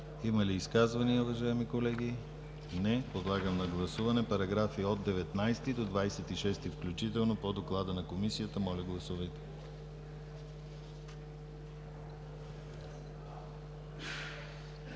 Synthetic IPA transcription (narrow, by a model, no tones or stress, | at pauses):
imɐliːskazvɐniəuvɐʒaɛmikolɛɡi | nɛpod̪lˠaɡəmnɐɡlˠɐsuvɐnɛpɐɾɐɡɾafiod̪̚d̪ɛvɛt̪najst̪id̪od̪vajsɛt̪iʃɛst̪ifklʲut͡ʃit̪ɛlˠnopod̪oklˠad̪ənɐkomisijət̪əmɔlʲɐɡlˠɐsuvɐjt̪ɛ̥